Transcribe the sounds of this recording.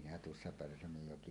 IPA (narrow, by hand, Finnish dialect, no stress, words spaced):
minæ tuosːɑ pærsæmøjːoki